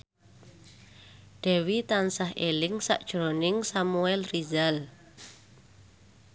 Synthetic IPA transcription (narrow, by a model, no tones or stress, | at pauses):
ɖ̥ɛ̤wit̪ansaɦelɪŋsa̰ʔd̥ʒ̥ɾonɪŋsamuɛlrizal